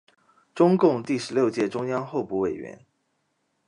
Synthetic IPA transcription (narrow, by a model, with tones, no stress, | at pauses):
ʈ͡ʂʊ˥ŋkʊ˥˧ŋt̪i˥˩ʂɻ̩˧˥ljo˥˧ʊt͡ɕjɛ˥˩ʈ͡ʂʊ˥ŋjɑ˥ŋxo˥˧ʊpu˥˩we˨˩ɪɥɛ̰˧˥˦n